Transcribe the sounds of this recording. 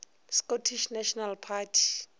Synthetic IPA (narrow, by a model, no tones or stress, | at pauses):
skotʰiʃnaʃɔnalpʰatʰi̥